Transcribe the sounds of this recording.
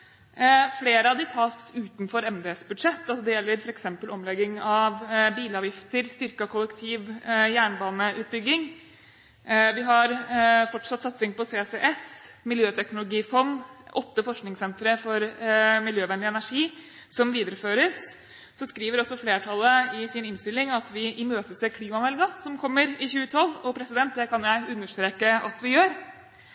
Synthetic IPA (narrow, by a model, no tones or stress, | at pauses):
fleːɾəɑʋd̪ɪt̪ʰɑːsʉːt̪nfɔɾɛmd̪ɛːɛsbʉd̪ʂɛt̪ːɑls̬ɔd̪ɛjɛlːəɾfɔɾɛksɛmpəlɔmlɛɡɪŋɑʋbiːləɑːʋjɪft̪əɾst̪ʏɾkɑkʰʊlːəkt̪ʰiːʋjæːɳbɑːnəʔʉːt̪̚bʏɡːɪŋ | ʋɪɦɑɾfɔʈʂɑt̪ːsɑt̪sɪŋpɔsesɛʔɛsmɪljøːt̪ʰɛknʊlʊɡiːfɔnʔɔt̪ːəfɔʂknɪŋsɛnt̪ɾəfɔɾmɪljøːʋɛnd̪ɪɛnæʂiː | sɔmʋiːd̪əɾəføːɾəs | sɔskɾiːʋəɾɔsːɔfleːʈʰɑlːəɪsɪnɪnst̪ɪlːɪŋɑt̪ʋɪʔɪmøːt̪əsɛɾkʰliːmɑmɛlɡɑsɔmkʰɔmːəɾɪçʉːət̪ʰɑlːɔpʰɾɛsɪd̪ɛnt̪̚d̪ɛkʰɑnjæɪʉnːəʂt̪ɾeːkəʔɑt̪ʋɪjøːɾ